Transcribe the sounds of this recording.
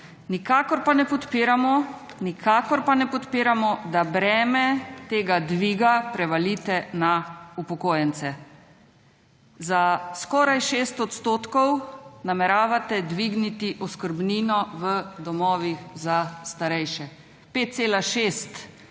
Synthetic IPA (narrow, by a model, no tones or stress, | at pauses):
nikaːkɔɾpanɛpɔt̪piɾamɔ | nikʰaːkɔɾpanɛpɔt̪piːɾamɔd̪abɾɛːmɛt̪eːɡad̪ʋiːɡapɾɛʋalit̪ɛnaupɔkoːjɛnsɛ | zaskɔːɾajʃeːst̪ɔt̪st̪oːt̪kɔwnamɛɾaːʋat̪ɛd̪ʋiːɡnit̪iʔɔskəɾbniːnɔʋəd̪ɔmɔːʋixzast̪aɾɛjʃɛ | pet̪̚seːlaʃest̪